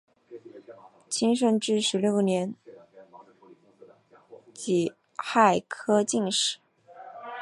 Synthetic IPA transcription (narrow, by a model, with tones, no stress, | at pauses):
t͡ɕʰi˥ŋʂ̬ə˥nʈ͡ʂɻ̩˥ʂɻ̩˧˥ljo˥˩ʊnjɛ˧˥n | t͡ɕi˨˩ | xa˥˩ɪkʰɤ˥t͡ɕi˥˧ŋʂɻ̩˨˩˦